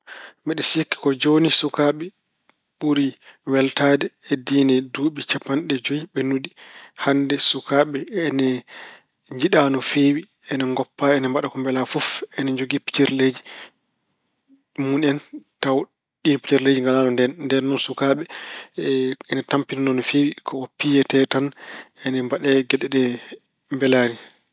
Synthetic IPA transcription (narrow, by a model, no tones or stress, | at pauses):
mbɛɗɛsikːi̥kɔd͡ʒonisukaɓɛ | ɓuɾiwɛltaːdɛːdinɛduːɓit͡ʃapːanɗɛd͡ʒojiɓɛnudihandɛsukaːɓɛɛnɛ | ɲd͡ʒiɗanɔfewi | ɛnɛŋɡɔpːaɛnɛmbaɗakɔmbɛlafɔfɛnɛd͡ʒoɡipi̥t͡ʃɛɾled͡ʒi | munɛntaw | ɗinpi̥t͡ʃɛɾled͡ʒiŋɡalaːnɔndɛnndɛnɔnsukaɓɛ | ɛnɛtampinɔnɔnɔfewikʰɔɔpijɛtɛtanɛnɛmbaɗɛɡɛɗɛɗɛ | mbɛlaːni